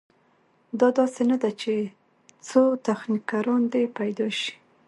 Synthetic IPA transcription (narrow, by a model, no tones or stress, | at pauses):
d̪ɑd̪ɑsenad̪at͡ʃe | t͡sot̪axnikaɾɑnd̪epajd̪ɑʃi̥